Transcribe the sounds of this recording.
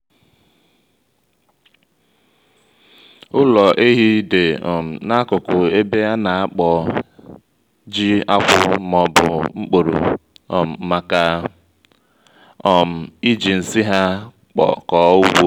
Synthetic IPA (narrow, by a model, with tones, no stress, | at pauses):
ʊ˦lɔ˨ʔe˦ɦi˦de˨ɔ˨m̩˨na˦kʊ˨kʊ˨e˦be˦a˦na˨a˦k͡pɔ˨ | d͡ʒi˦a̰˦kʷʊ˦mɔ˨bʊ̰˨ŋ͡m̩˦k͡po˨ɾo̰˨ | ma˨ka˨ | ɔ˨m̩˨i˦d͡ʒi˨n̩˨si˦ɦa˦ | k͡pɔ̰˨kɔː˨˦u˦wo˦